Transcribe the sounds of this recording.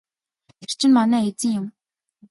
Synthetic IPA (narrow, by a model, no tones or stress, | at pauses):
ɪr̥t͡ɕʰɪ̆nmanæːet͡sɘ̆ŋjʊm